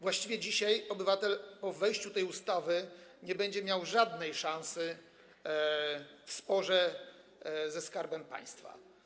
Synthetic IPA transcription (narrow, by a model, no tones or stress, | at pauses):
vwaɕt͡ɕivʲjɛd͡ʑiɕajɔbɘvat̪ɛlpɔvɛjɕt͡ɕut̪ɛjust̪avɘɲɛbɛɲd͡ʑɛmʲjawʐad̪nɛjʂãñsɘ | fspɔʐɛ | zɛskaɾbɛmpa̰j̃st̪fa̰